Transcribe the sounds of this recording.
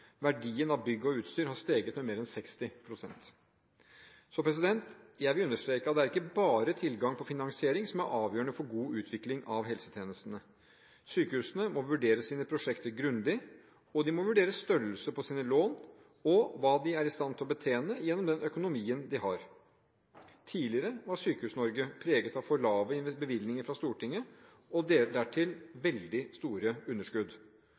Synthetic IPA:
ʋæɖiːənɑʋbʏɡːəɔʉːt̪st̪yːɾhɑɾʂt̪eːɡət̪mɛmeːɾɛnsɛkst̪ɪpʰɾʊsɛ̰nt̪ | sɔpʰɾɛs̬ɪd̪ɛnt̪jæɪʋɪlʉnːəʂt̪ɾeːkəɑt̪d̪ɛæɾɪkːəbɑːɾət̪ʰɪlɡɑŋpʰɔfɪnɑŋsɪeːɾɪŋsɔmæɾʔɑːʋjøːəɳəfɔɾɡuːʉːt̪ʰʋɪklɪŋɑʋɦɛlsə̥t̪ʰjeːnəst̪nə | syːkəhʉːsənəmɔʋʉɖeːɾəsiːnəpʰɾʊʂɛkt̪əɾɡɾʉnd̪ɪ | ɔd̪ɪmɔʋʉɖeːɾəsst̪œɾlsəpʰɔsiːnəloːn | ɔʋɑːd̪ɪæɾɪst̪ɑnt̪ʰɪlɔbət̪ʰeːnəjɛnːɔmd̪ɛnʔœkʊnʊmiːənd̪ɪhɑɾ | t̪ʰiːlɪəɾəʋɑsyːkəhʉːsnɔɾɡəpʰɾeːɡət̪ɑʋfɔɭɑːʋəɪnbəʋɪlnɪŋəɾfɾɑst̪uːʈɪŋːə | ɔd̪eːɖ̪æʈʰɪlʋɛld̪ɪst̪uːɾəʉnːəʂkʉd̪

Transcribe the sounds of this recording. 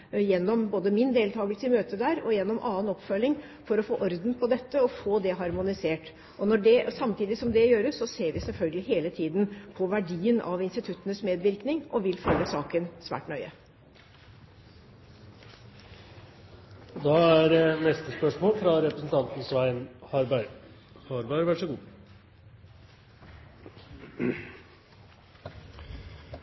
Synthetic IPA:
jɛnːɔmboːd̪əmɪnd̪eːlt̪ʰɑːɡəlsəmøːt̪əd̪æːɾɔjɛnːɔmʔɑːənɔpfœlːɪŋ | fɔɾɔfoːʔɔɾd̪n̩pʰɔd̪ɛt̪ːəɔfoːd̪ɛɦɑɾmʊnɪseːʈ | ʔɔnɔɖɛsɑmt̪ʰiːd̪ɪsɔmd̪ɛjøːɾəsɔseːɾʋɪsɛlfœlɡəlɪɦeːlət̪ʰiːd̪npʰɔʋæɖiːənɑ̰ʋɪnst̪ɪt̪ʰʉt̪ːənəsmeːd̪ʋɪɾknɪŋʔɔʋɪlfølːəsɑːkənsʋæ̰ːʈnœʏə | d̪ɑːæɾnɛst̪əspœʂmoːlfɾɑɾɛpɾəsn̩t̪ʰɑnt̪n̩sʋæɪnhɑɾbæɾ | hɑɾbæɪɾʋæʂɔɡuː

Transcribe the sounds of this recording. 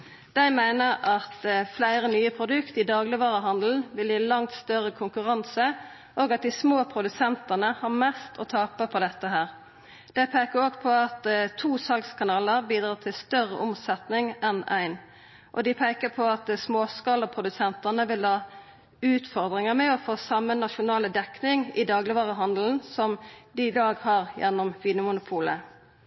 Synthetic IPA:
d̪̥æɪmæɪnəʁɑt̪flæɪʁənyːəpʰʁʊd̪ʉkt̪ɪd̪ɑːɡlɪʋɑːʁəɦɑnd̪l̩ʋɪljiːlɑŋt̪st̪œɾəkʰʊŋkʉʁɑnsə | ʔoːɡɑt̪̚d̪ɪsmoːpʰʁʊd̪ʉsɛnt̪ənəhɑʁmɛst̪ʰɔt̪ʰɑːpəpʰɔd̪ɛt̪ːəɦæːʁ | d̪̥æɪpʰeːkəʁoːɡpʰɔɑt̪t̪ʰuːsɑlkskʰɑnɑːləʁbiːd̪ʁɑːʁt̪ʰɪlst̪œʁə̰ʔʊmsɛt̪nɪŋɛnæɪn | ʔɔ̰d̪ɪpʰæɪkəpʰɔɑt̪smoːskɑːləpʰʁʊd̪ʉsɛnt̪ənəʋɪlhɑː | ʉːt̪fɔʁd̪ʁɪŋəmɛɔfoːsɑmːənɑʃʊnɑːləd̪ɛknɪŋɪd̪ɑːɡlɪʋɑːʁəɦɑnd̪l̩n̩sɔmd̪ɪɪd̪ɑːɡhɑʁjɛ̰nːɔmʋiːnəmʊnʊpʰuːlə

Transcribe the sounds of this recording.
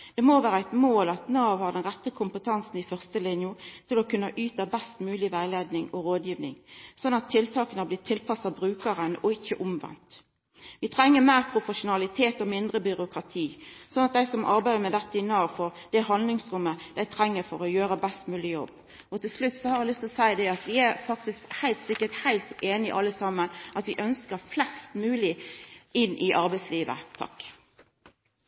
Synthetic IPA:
d̪̥ɛmoːʋæːɾəæɪt̪moːlɑt̪noɑʋhɑʁd̪ɛnʁɛt̪ːəkʰʊmpət̪ʰɑnsn̩ɪfœʁst̪əlɪnjʊt̪ʰɪlɔkʉnːəʔyːt̪əbɛst̪mʉːlɪʋæɪleːd̪nɪŋɔɾoːd̪jiːʋnɪ̰ŋsɔnɑt̪ʰːɪlt̪ʰɑːkənəblɪːt̪ʰɪlpʰɑsɑbɾʉːkəʁənɔɪçːəʔʊmʋɛ̰nt̪ | ʋɪt̪ʰɾɛŋːəmæːʁpʰɾʊpɔʂʊnɑlɪt̪ʰeːt̪ɔmɪnd̪ʁəbʏɾʊkʁɑt̪ʰiːsɔnːɑt̪̚d̪æɪsɔmʔɑ̰ɾbæɪd̪əɾmɛd̪ɛt̪ːəɪnːəɑʋfɔɾd̪̥ɛhɑnd̪lɪŋsɾʊmːəd̪̥æɪt̪ʰɾɛŋːəɾfɔɾɔjøːɾəbɛst̪mʉːlɪjɔbː | ɔt̪ʰɪlslʉt̪ːsɔhɑɾæɪlʏst̪ʰlɔsæɪd̪ɛɑt̪ʋɪæɾfɑk̚t̪ɪskhæɪlt̪sɪkːət̪hæɪlt̪eːnɪʔɑlːəsɑmːənʔɑt̪ʋɪʔœnskəɾflɛst̪mʉːlɪɪnːʔɪʔɑɾbæɪsliːʋə̰t̪ʰɑ̰k

